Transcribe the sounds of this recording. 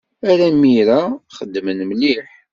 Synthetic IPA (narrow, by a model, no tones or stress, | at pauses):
æɾæmːiɾaχəd̪ːmənmliħ